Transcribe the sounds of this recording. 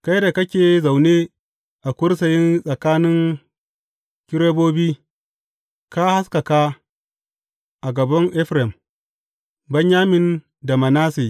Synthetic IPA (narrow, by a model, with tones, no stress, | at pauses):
ka˦jda˨kɐ˦kʲeː˨za˨wneː˦ | ʔa˨kʷʊ˦rs̬ɐ˨jɪ˦nsʼɐ˨kaː˦nɪ˦ŋ | kʲɪ˦ɾeː˦boː˦biː˦ | ka˦ha˦skɐ˨ka˦ | ʔa˨ɡɐ˨bɐ˦ŋʔɛ˦ɸɾɛ˨m | bɐ˦ɲjaː˦mɪ˨n | da˨mɐ˨naː˦seː˨